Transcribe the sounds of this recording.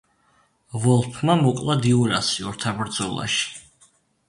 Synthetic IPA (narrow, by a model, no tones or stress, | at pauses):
vɔlˠpʰmamɔkʼlˠad̪iuɾa̰siɔɾt̪ʰabɾd̪zɔlˠa̰ʃi̥